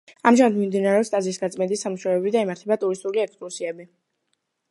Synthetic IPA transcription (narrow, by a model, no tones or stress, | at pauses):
amʒamad̪mimd̪inaɾɛɔst̪ʼazisɡat̪sʼmɛnd̪isamuʃaɛbid̪aimaɾt̪ʰɛbat̪ʼuɾist̪ʼuliɛkskʼlusiɛbi